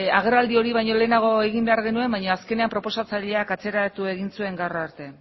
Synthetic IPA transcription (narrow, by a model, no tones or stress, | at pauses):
aɣ̞e̞rald̪io̞ɾiβajɲo̞le̞ːnaɣ̞o̞e̞ɣ̞imbe̞aɾɣe̞nue̞mbajɲoaske̞ne̞ampɾo̞po̞sat͡saʎe̞akat͡se̞ɾat̪ue̞ɣinsue̞ŋɡawraɾt̪e̞